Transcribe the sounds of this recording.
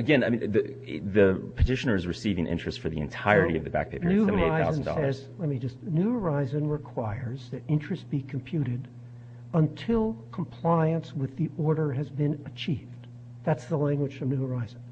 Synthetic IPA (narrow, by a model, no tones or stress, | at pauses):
ɨɡɛ̃naɪm̃ðɨ | ðɨpʰɨtʰɪʃɨnə˞ɨzɹɨsivɪ̃ŋʔɪ̰̃nt͡ʃɹ̥ɨstfə˞ðḭɨ̃ntʰaɪə˞ɾiʌ̰vðɨbæ̰k̚pʰeɪpənʉhɛəni˞aɪaʊzndsɔ̰lɛz̥ | lɛt̚mid͡ʒʌstnʉhə˞aɪzɨ̃nɹɪkʰw̥aɪə˞zðɨɾɪ̃nt͡ʃɹ̥ɨst̚b̥ikʰm̩pʰj̥ʉɾɪɾ | ə̃ntʰɪlˠkʰm̩pʰl̥aɪɨ̃nswɨðiʔɔɹɾə˞ɨzbɨ̃nɨt͡ʃʰivd | ðætsðəlæ̃ŋɡwə̥ʒ̥fʌvnʉhə˞aɪzn̩